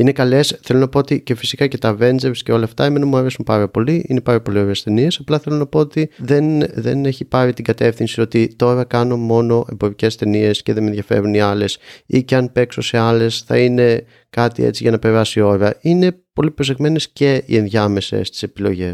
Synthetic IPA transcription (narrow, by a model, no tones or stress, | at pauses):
ine̞kɐle̞sθelo̞nɐpo̞ot̪ice̞fisikɐce̞t̪ɐve̞nzeɾsce̞o̞lɐːft̪ɐemenɐmuɐɾe̞sumpɐɾɐpo̞liine̞pɐɾɐpo̞lio̞ɾeest̪e̞nie̞sɐplɐθe̞lo̞nɐpo̞ot̪iðe̞nðe̞̰ne̞çipɐɾit̪iɡɐt̪e̞fθinsio̞t̪it̪o̞ɾɐkɐno̞mo̞no̞ʔe̞mbo̞ɾice̞st̪e̞nie̞sce̞ðemenðʝɐfe̞̰ɾuniɐle̞siceɐnpe̞kso̞se̞ɐle̞sθɐ̰ine̞ | kɐt̪ḭḛt͡siʝɐnɐpe̞ɾɐsio̞ɾeɐine̞po̞lipɾo̞s̬e̞ɣme̞nesce̞ḭe̞nðʝɐme̞sḛst̪i̥se̞pilo̞̰ʝe̞s